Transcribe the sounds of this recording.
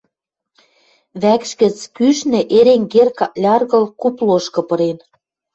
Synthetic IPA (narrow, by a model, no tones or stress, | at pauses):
βækʃkə̆t͡skyʃnɘ̆ʔeɾeŋɡerkɑlʲɑrɣɤ̆lkuploʃkɤ̆pɤ̆ɾen